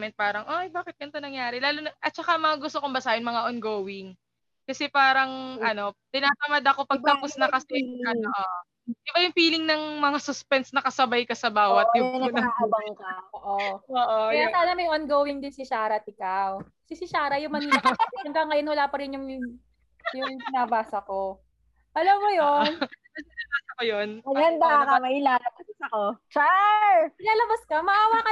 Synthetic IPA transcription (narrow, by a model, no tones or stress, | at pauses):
mɛnt̪̚paːɾɐŋʔojbaːkɪt̪̚ɡɐnt̪onɐŋjaːɾɛlaːlonɐʔɐt̪̚t͡ʃɐkamɐŋaɡʊst̪okʊmbɐsaːʔɪnmɐŋaʔonɡoːwɪŋ | kɐsɛpaːɾɐŋʔɐno̞t̪ɪnaːt̪ɐmɐd̪ɐko̞pɐɡ̚t̪ɐpʊsnɐkɐsɛɐoʔ | ʔɪbajʊŋfiːlɪŋnɐŋmɐŋasʊspɛnsnɐkɐsɐbajkɐsɐbaːwɐt̪̚jʊnut̪ɐbɐŋkɐʔoʔooːʔoɐjasaːnɐmɐjʔonɡowɪŋd̪ɪnsɪʃaːɾɐt̪ʔɪkaw | sɪsɪʃaːɾɐjʊŋmɐniːlɐɐŋkɐŋːɐjonwɐlaːpɐɾɪnjʊŋ | jʊŋsɪnaːbaːsɐko̞ | ʔɐlɐmːojon | ɐsɪnaːbasɐkojonmɐɡɐnd̪aakamɐɪlaːlɐbɐbɐsɐkot͡ʃaɪlaːlɐbɐskɐmɐʔaːwakɐ